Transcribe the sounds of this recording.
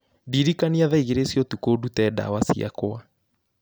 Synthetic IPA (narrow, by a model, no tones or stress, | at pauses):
diɾikaniaðaiɣeɾesjɔtukodutɛda̰wasia̰koa